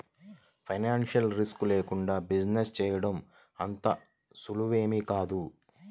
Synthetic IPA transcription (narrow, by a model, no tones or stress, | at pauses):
pʰɐjnaːnʂɐlɾiskleːkuɳɖaːbid͡ʒnest͡ʃɛːjɐɽɐm | ɐnt̪ɐ | suluʋeːmikaːd̪u